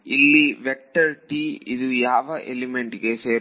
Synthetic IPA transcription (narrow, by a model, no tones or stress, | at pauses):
ilːiʋɛk̚ʈɐɾʈiid̪ujaːʋɐʔelimeɳʈɡeseːɾ